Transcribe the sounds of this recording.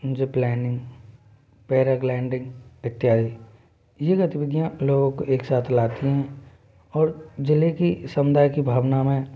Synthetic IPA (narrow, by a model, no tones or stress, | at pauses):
d͡ʒeplɛːnɪ̃ŋɡ | pɛːɾəɡlɛ̃ːɳɖɪ̃ŋɡɪt̪ːjaːi | jeɡət̪ɪbɪd̪ʱijãloːɡõkoʔeːksaːt̪ʰlaːt̪iɦɛ̃ | ɔːɾd͡ʒɪlekisə̃mʊd̪ʱaːjkibʱaːʋnamẽ